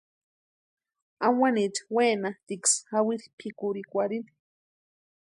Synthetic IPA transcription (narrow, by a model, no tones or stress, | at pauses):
amwanitweːnat̪iksawiɾipʰikuɾikʷaɾin